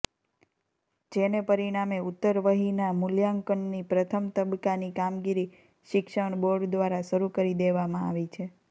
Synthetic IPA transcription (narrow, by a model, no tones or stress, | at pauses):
d͡ʒenepəɾiɽ̃ameut̪ːəɾʋəɦinamuljaŋkəɳːipɾət̪ʰəmt̪əbkanikamɡiɾi | ʃɪkʃəɳ̃boɾɖd̪ʋaɾaʃəɾukəɾid̪eʋamãa̰ʋit͡ʃʰe